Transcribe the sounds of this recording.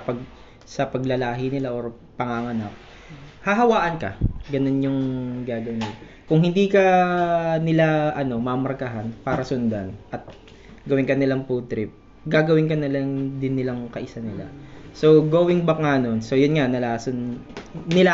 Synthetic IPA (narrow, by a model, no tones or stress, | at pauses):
pɐɡ̚ | sɐpɐɡlɐlaːɦɪnɪlaʔoɾ | pɐŋaŋɐnak̚ | hɐɦɐwaːʔɐnkɐ̰ɡɐno̞njʊŋɡaːɡɐwɪnɪla | kʊŋhɪnd̪iːkɐ | nɪlaʔɐno̞mɐmɐɾkɐɦanpaːɾɐsʊnd̪anʔɐt̪̚ | ɡɐwɪnkɐnɪlaŋput̪ɾɪp̚ | ɡaːɡɐwɪnkɐnɪlad̪ɪnːɪlaŋkɐʔɪsanɪla̰so̞ɡoːwɪŋbɐŋano̞nso̞jʊnŋanɐlaːsʊnnɪla